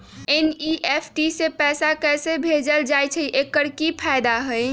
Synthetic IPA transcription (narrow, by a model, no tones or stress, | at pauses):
eniʔepʰʈisepɛsakɛsebʱed͡ʒəld͡ʒajt͡ʃʰəiʔekːəɾkipʰaɪd̪aɦəj